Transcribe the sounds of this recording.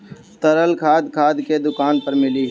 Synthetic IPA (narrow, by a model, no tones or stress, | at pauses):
t̪əɾəlkʰaːd̪kʰaːd̪ked̪ʊkaːnpəɾmɪliː